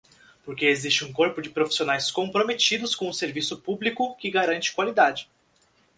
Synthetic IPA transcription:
poɾkeezist͡ʃɪũkoɾpʊd͡ʒɪpɾofi̥sionajskõmpɾomet͡ʃid̪ʊskõw̃ʊ̃seɾvisʊpublikʊkɪɡaɾɐ̃nt͡ʃɪ̥kwalid̪ad͡ʒɪ

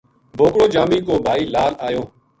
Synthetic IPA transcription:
bʱoːkɽoːd͡ʒaːmiːkoːbʱaːiːlaːlaːjõː

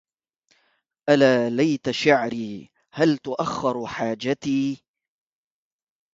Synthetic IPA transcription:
ʔalaːlajt̪aʃaʕɾiː | halt̪ʊʔaxːɑɾħaːd͡ʒat̪iː

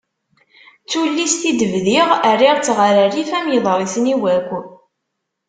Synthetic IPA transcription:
t͡sːulːist̪id̪əvðiʁærːiʁt͡sːʁaɾərifæmjəðˤəɾˤiθniwæɡʷ

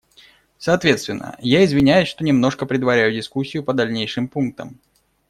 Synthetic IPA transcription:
sɐːt̪vʲe̞t̪st̪vɪnːʔə̰jaɪzvʲɪnʲæjʊsʲʂt̪o̞nʲɪmno̞ʂkəpɾʲɪd̪vɐɾʲæjʊdʲɪskusʲːɪjʊpəd̪ɐlʲnʲejʂɨmpunk̚t̪ə̰m

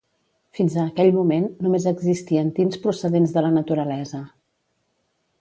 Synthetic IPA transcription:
finzəːkɛʎmumenːumezəɡzist̪iənt̪inspɾusəðenzðələnət̪uɾəlɛzə

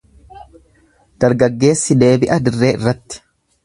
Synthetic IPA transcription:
d̪̥ɐɾɡɐɡːe̞ːsːɪd̪e̞ːbɪʔɐd̪ɪrːeːɪ̰rːɐt̪ːɪ̥

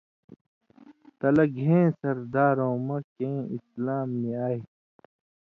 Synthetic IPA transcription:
t̪ɐlɐɡʱẽːsɐɾd̪aːɾõːmɐkẽːḭslaːmːẽaːi

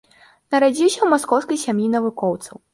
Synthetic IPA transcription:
nɐɾad͡zʲiwsʲɐwmaskɔwskɐjsʲamjinɐvukɔwt̪sɐw

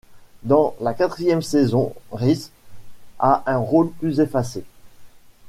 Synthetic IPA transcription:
d̪ɑ̃lakat̪χijɛmsɛzɔ̃ʁis | aʔɛ̃ʁolplyzefase

